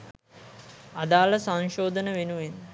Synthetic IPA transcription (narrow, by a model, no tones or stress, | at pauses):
ad̪aːləsaŋʃoːd̪ənəʋenuʋen